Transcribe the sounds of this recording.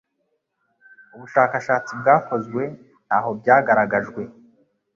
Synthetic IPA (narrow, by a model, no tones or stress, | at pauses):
uβuʃaːkaʃaːt͡sibɡaːko̞zɡwe̞ | n̥haːɦo̞bɟaːɡaɾaɡaʒɡwe̞